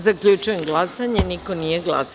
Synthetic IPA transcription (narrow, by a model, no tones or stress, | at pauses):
zakʎut͡ʃujemɡlˠasaɲeniko̞nije̞ɡlˠa̰s